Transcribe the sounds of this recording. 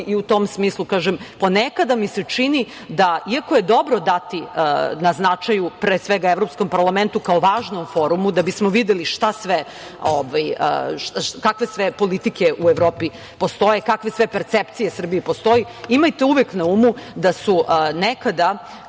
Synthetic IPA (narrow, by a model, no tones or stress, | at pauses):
iut̪o̞msmiːslˠukaːʒempo̞nekad̪amiset͡ʂini | d̪aiako̞je̞d̪o̞bɾo̞d̪at̪inaznat͡ʃajupɾeːsʋeɡaeʋvɾo̞psko̞mpaɾlˠament̪ukaoʋaːʒnomfo̞ɾumud̪abismoʋid̪eliʃt̪asʋe | oʋajə̰ʃkakʋe̞sʋepo̞lit̪ikeʔueʋɾoːpi | post̪o̞jekakʋesʋe̞peɾt̪sept̪sije̞sr̩biepo̞st̪o̞ji | imajt̪euʋeknauːmud̪asunekad̪a